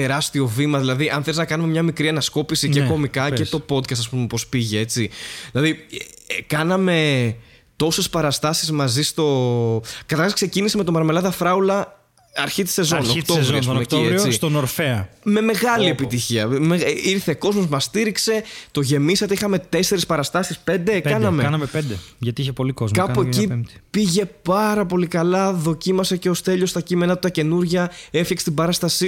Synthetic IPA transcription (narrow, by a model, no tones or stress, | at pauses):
eɾɐst̪io̞vimɐðilɐðiʔɐnθeliznɐkɐnume̞mɲɐmikɾiɐnɐsko̞pisiceko̞mikɐcet̪o̞po̞d̪kɐst̪ɐspumepospiʝee̞t͡siðilɐði | kɐnɐme̞ | t̪o̞se̞spɐɾɐst̪ɐsizmɐzist̪o̞ | kɐt̪ɐɾxɐskse̞cinisime̞t̪omɐɾmelɐðɐfɾɐulɐ | ɐɾçit̪i̥se̞zo̞nokt̪ovɾioɐsumeciet͡ssist̪onoɾfeɐme̞me̞ɣɐlie̞pit̪içiɐ̰meiɾθe̞ko̞zmo̞zmɐst̪iɾikse̞t̪o̞ʝe̞misɐt̪eixɐme̞t̪e̞se̞ɾispɐɾɐst̪ɐsispe̞nd̪ekɐnɐmekɐnɐmepend̪eʝɐt̪iiçepo̞likozkɐpoecipiʝe̞pɐɾɐpo̞likɐlɐðo̞cimɐse̞ceost̪e̞ʎo̞st̪ɐcime̞nɐt̪ut̪ɐce̞nuɾʝɐe̞fçɐkse̥t̪ibɐɾɐst̪ɐsi